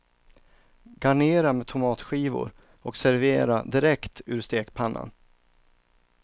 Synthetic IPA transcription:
ɡaɳeːɾamɛt̪ʰʊmɑːt̪ɧiːvʊ̰ɾ | ɔksæɾveːɾa̰d̪ɪɾɛkt̪ʉːɾst̪eːkpʰanːa̰n

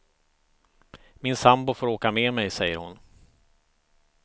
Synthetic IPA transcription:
mɪnsambʊfoːɾoːkameːmɛjsɛjːəɾhʊ̰n

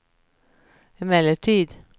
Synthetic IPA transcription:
ɪmɛləʈʰiːd̪

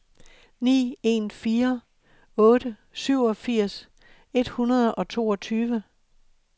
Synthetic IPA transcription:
nḭːe̝̰ːnfiːɐ | ɔ̽ːɾ̥ə | syʊ̰ɒ̽fiɐ̰s | e̝d̥hunɐð̞ˠɒ̽t͡sʰo̝̰ːɒ̽t͡sʰyːʋə

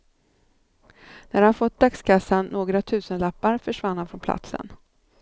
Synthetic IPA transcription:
næɾhanfɔt̪̚d̪akskʰasːanːʔoːɡɾat̪ʰʉ̟ːsənlapːaɾfœʂvanːhanfɾɔnpʰla̰t̪sə̰n

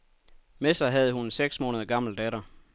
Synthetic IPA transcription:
mesɑ̈ɪɦæð̞̩ˠəhunseɡ̥smɔːnəð̞ˠɐɡ̥ɑ̈m̰l̩d̥ɛɾɐ

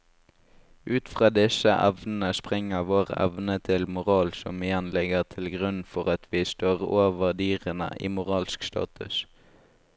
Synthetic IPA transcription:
ʔʉːt̪fʁɑːd̪ɪsəʔɛʋnn̩əspʁɛŋəʋoːʁɛ̰ʋnət̪ʰɪlmʊʁɑːlsɔ̰mɪjɛnlɛɡəʁt̪ʰɪlɡʁʉnfɔʁɑt̪ʰʋiːst̪oːʁoːʋəʁd̪yːʁənə̰ʔḭːmʊʁɑːlskst̪ɑ̰ːt̪ʰʉ̰s

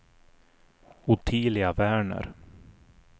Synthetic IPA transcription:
ʊt̪ʰiːlɪɡavæːɳə̰ɾ

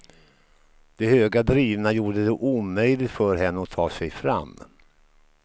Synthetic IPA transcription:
d̪̥ɛhøːɡad̪ɾiːvnajuːɖəd̪ɛʔuːmœjlɪt̪fœɾɦɛnːəɔt̪ʰɑːsɛjfɾa̰mː

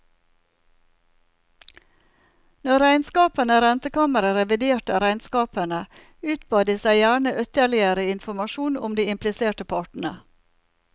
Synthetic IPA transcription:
nɔɾæɪnskɑːpənəɾɛnt̪əkɑːməɾəɾɛʋɪd̪eːʈəɾæɪnskɑːpənə | ʉːt̪bɑːd̪iːsæɪjæːɳəʔœt̪əɭɪəɾəɪnfɔɾmɑʃuːnʊ̰md̪iːɪmplɪseːʈəpʰɑːʈɳ̩ə̰

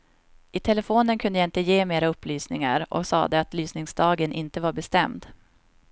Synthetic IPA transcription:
ʔɪt̪ʰɛlɛfoːnənkʰɵnd̪əjaɪnt̪əjeːmeːɾaɵpːlyːsnɪŋaɾʔɔ̰ksɑ̰ːd̪əat̪lyːsnɪŋsd̪ɑːɡənʔɪnt̪əvaɾbɛst̪ɛmd̪

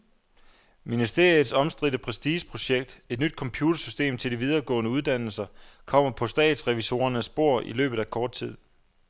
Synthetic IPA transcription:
minisd̥e̝ɐ̰ið̩ˠsɒ̽msd̥ʁid̥əpʰʁɛsd̥iːɕpʰʁo̝ɕeɡ̥̚d̥e̝d̥nyd̥̚kʰɒ̽mpʰjuːt͡sʰɐsysd̥e̝̰ːmt͡sʰe̝ld̥iʋið̞ˠɐɡ̥ɔ̰̽ːnəuð̞ˠd̥æn̰l̩sɐkʰɒ̽m̰ɐpʰɒ̽sd̥ɛ̰ːd̥sʁɛʋiso̝̰ːɐnəsb̥o̝ɐ̰ʔḭlø̰ːb̥ð̩ˠækʰɒːd̥̚t͡sʰið̞̰ˠ

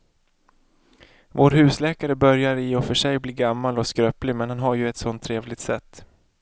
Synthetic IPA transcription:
voːɾɦʉ̟ːslɛːkaɾəbœɾjaɾɪɔfœʂɛjbliːɡamːalɔskɾœːplɪmɛnhanɦaɾjɵɛt̪sɔnt̪ʰːɾeːvlɪɡ̚t̪sɛt̪ː

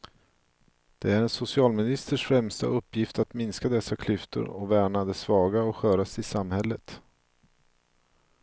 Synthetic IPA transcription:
d̪̥ɛæɾɛnsʊsɪɑːlmɪnɪst̪əʂfɾɛmst̪a̰ɵpːjɪft̪at̪mɪnskad̪ɛsːakʰlʏft̪ə̰ɾɔvæːɳad̪ɛsvɑːɡaɔɧœːɾasɪsamhɛlːət̪

